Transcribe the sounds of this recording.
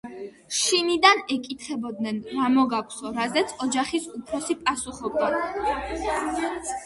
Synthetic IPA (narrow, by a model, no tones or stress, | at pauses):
ʃinid̪anɛkʼit̪ʰχɛbɔd̪nɛnɾamɔɡakʷʰsɔɾazɛt̪sʰɔd͡ʒaχisupʰɾɔsipʼasuχɔb̚d̪a